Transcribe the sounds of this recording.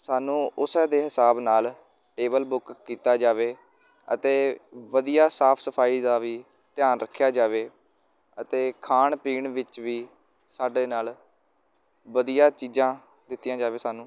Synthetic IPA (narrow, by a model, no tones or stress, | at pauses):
saːnũːʔʊsɛːd̪eːɦɪsaːbnaːl | ʈeːbəlbʊkːiːt̪aːd͡ʒaːʋeː | ə̰t̪eːʋəd̪ijaːsaːpʰsəpʰaːiːd̪aːʋiː | t̪ɪjaːnɾəkʰːjaːd͡ʒaːʋeː | ət̪eːkʰaːɳpiːɳʋɪt͡ʃʋiː | saːɖeːnaːl | ʋəd̪ijaːt͡ʃiːzãː | d̪ɪt̪ːɪjãːd͡ʒaːʋeːsaːnũː